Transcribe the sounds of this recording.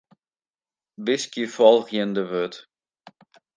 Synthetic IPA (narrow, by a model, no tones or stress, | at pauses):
bɪskifɔlˠɣjəndəʋøt